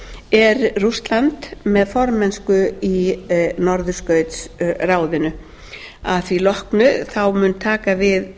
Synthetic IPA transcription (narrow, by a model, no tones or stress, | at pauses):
ɛɾrust̪lant̪mɛðfɔɾmɛnskʏinɔɾðʏskœɥt̪sraːwðɪnʏ | aðθvilɔhknʏθawmʏnt̪ʰaːkavɪð